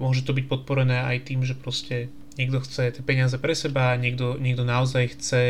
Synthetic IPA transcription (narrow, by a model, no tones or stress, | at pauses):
mʊɔʒɛt̪ɔbic̚pɔt̪̚pɔɾɛnɛːajt̪iːmʒɛpɾɔscɛ | ɲɛɡd̪ɔxt͡sɛt̪ɛpɛɲɪazɛpɾɛsɛbaɲɪɛɡ̚d̪ɔɲɪɛɡd̪ɔnaɔzajxt͡sɛ